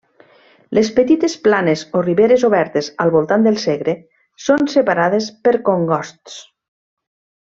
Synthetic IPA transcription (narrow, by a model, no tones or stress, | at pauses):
lespet̪it̪esplanezoriβeɾezoβɛɾt̪ezalˠβolˠt̪and̪elˠseɣɾe | sonsepaɾaðespeɾkoŋɡɔst̪s